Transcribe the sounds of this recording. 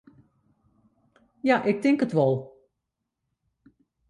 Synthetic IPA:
jaːʔɪk̚dɪŋkətʋɛlˠ

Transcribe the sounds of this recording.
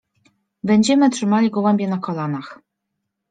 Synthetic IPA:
bɛɲd͡ʑɛmɘtʂɘmalʲiɡɔwɛmʲbʲjɛnakɔlanax

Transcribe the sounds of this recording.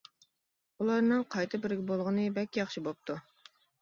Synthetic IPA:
ulˠɑɾnɨŋqʰɑjt̪ʰɨbɪɾɪɡʲɪbolˠʁənɨbɛkʲjɑχʃibop̚t̪ʰu

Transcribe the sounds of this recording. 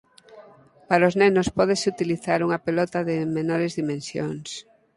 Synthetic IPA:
paɾaoznenospɔð̞esut̪iliθaɾuŋapelɔt̪aðɪmenɔɾezðimẽnsjo̰ŋs

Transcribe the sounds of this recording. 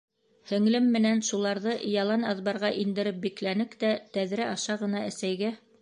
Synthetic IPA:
hɵ̆ŋlɘmːɘ̆nænʃulˠɑɾðɤjɑlˠɑnɑðβɑɾʁɑʔind̪ɘ̆ɾɘp̚biklænɘkt̪æt̪æðɾæʔɑʃɑʁɤ̆nɑæsæjɡæ

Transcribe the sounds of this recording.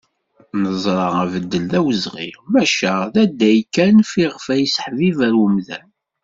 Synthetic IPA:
nəzˤɾˤɑʁævəd̪ːəlðæwəzʁḭmæʃæðæd̪ːæjkːænfiʁəfæjsə̥ħvivæɾəmðæn

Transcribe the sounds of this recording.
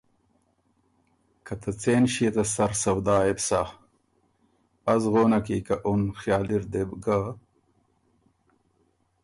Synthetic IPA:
kɐt̪ɐt͡seːnɕiet̪ɐsɐɾsɐwd̪aːebsa | ɐzɣoːnɐkikɐʔunxjaːliɾd̪ebɡa

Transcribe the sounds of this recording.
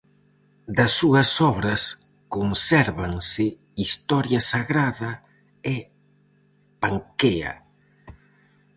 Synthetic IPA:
d̪ɐsːuɐsɔβɾɐs | konsɛɾβaŋsɪ | ist̪ɔɾjɐsaɣɾaðɐ | e | paŋkeɐ̰

